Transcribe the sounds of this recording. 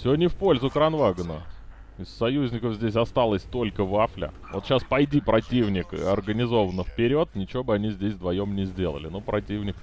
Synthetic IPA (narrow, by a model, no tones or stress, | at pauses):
sʲɪodʲnʲɪfpo̞lʲzʊkɾɐnvaɡənə | ɪsːɐjuzʲnʲɪkəfzʲdʲes̬ʲɐst̪alˠəsʲt̪o̞lʲkəvaflʲɪ̰ | vo̞t̪ɕaspɐjdʲipɾɐtʲivnʲɪkɨ̰ɐrɡənʲɪzo̞vənəfpʲɪɾʲo̞t̪nʲɪt͡ɕɪvʲo̞bəɨɐnʲizʲdʲesʲvd̪vɐjo̞mnʲɪzʲdʲe̞lˠə̰lʲɪ̰nupɾɐtʲivnʲɪk̚